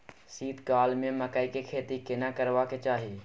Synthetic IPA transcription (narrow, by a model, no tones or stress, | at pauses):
siːt̪kaːlmẽməkəikekʰeːt̪ikɪnakəɾʋaket͡ʃaːɦie